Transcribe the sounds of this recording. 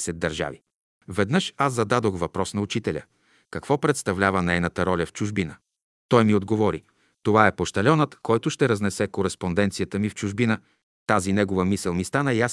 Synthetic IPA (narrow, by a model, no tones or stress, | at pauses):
sɛd̪̚d̪ɐɾʒa̰vi | vɛd̪nɤʃazɐd̪ad̪oxvɐpɾɔsnɐut͡ʃit̪ɛlʲə̰ | kɐkvɔpɾɛt̪st̪ɐvlʲavənɛɛnət̪əɾɔlʲɐft͡ʃuʒbinə | t̪ɔjmiod̪ɡovɔɾi | t̪ovaɛpoʃt̪ɐlʲɔnət̪kɔjt̪ʊʃt̪ɛɾɐznɛsɛkoɾɛspond̪ɛnt̪sijət̪əmift͡ʃʊʒbinə | t̪azinɛɡovəmisəlˠmist̪anəias